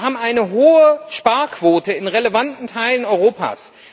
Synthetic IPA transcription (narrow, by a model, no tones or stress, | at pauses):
ɦaːbm̩aɪnəɦoːəʃpaɐkʰv̥oːtəɪnʁeləvantn̩tʰaɪlənɔʏʁ̞oːpa̰ːs